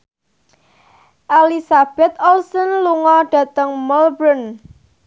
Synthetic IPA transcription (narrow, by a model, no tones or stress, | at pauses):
ʔalisab̥ɛt̪ɔlsɔnluŋɔɖ̥ä̤t̪əŋmɔlbɾən